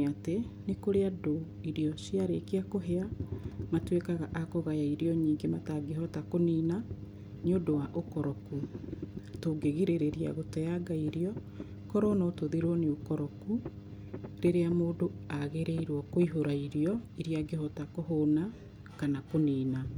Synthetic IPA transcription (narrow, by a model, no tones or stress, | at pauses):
atenekoɾeado | iɾiɔsjaɾekiakoɦeamatwekaɣaʔakoɣajaiɾiɔɲiːŋɡemataɡeɦɔtakoniːna | neodowaʔokɔɾɔku | toɡeɣiɾeɾeɾia̰ɣotɛaɡaiɾjɔ | kɔɾɔnɔtoðiɾwɔneokɔɾɔku | ɾeɾeamoːdoaɣeɾeiɾwɔkoiɦoɾaiɾiɔiɾiaɡeɦɔtakoɦoːna | kanakoniːna